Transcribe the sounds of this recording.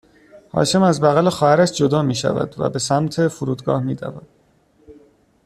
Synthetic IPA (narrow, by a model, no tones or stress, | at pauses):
hɒ̰ːʃe̞mæzbæɣælexɒːhæɾæʃd͡ʒo̞d̪ɒːmiːʃæ̰væ̰d̪væ̰be̞sæmt̪ʰe̞fuɾuːd̪ɡɒ̰ːhmiːd̪æ̰væ̰d̪̥